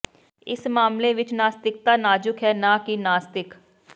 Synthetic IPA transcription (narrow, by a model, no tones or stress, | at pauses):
ɪ̰smaːmleʋɪt͡ʃnaːst̪ɪk̚t̪aːnaːd͡ʒʊkɦɛːnaːkinaːst̪ɪk